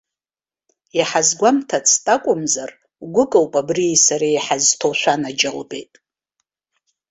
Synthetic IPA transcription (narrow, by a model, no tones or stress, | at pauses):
jaħazɡʷamtʰat͡sʰtʼakʷʼʊmzar | ɡʷʊkʼawpʼabriːsaɾajħaztʰoʃʷanad͡ʒalbe̞̰jtʼ